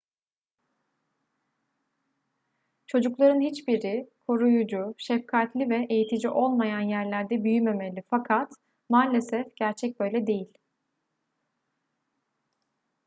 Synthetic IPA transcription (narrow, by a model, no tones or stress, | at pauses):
t͡ʃʰo̞d͡ʒuklˠaɾɯnhit͡ʃbiɾikʰo̞ɾujud͡ʒuʃɛfkʰat̪lʲivɛʔejit̪ʰid͡ʒiʔo̞lˠmajanjæɾlʲæɾd̪ɛbyjyme̞melʲifakʰat̪ | maːlʲesɛfɟ̥æɾt͡ʃʰɛc̚bø̞jlʲɛd̪e̞jilʲ